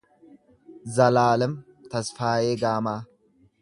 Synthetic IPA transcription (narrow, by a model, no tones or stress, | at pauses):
zɐlaːlɛm | t̪ɐsfaːjeːɡaːmaː